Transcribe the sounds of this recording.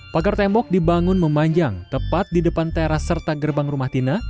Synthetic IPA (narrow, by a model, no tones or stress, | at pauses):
paɡart̪ɛmbɔk̚dibaŋʊnməmaɲd͡ʒaŋt̪əpat̪̚didəpant̪eɾasərt̪aɡərbaŋrumaht̪ina